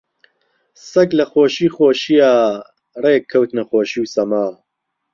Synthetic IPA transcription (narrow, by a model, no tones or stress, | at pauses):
sɐklɐxoːʃiːxoːʃijaː | reːkkʰːɐwt̪nɐxoːʃiːwsɐmaː